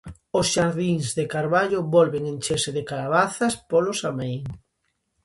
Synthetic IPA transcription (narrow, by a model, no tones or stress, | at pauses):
osʃaɾðiŋzðekaɾβaʎʊβɔlβeŋent͡ʃesɪðɪkalaβ̞aθɐspolosamejŋ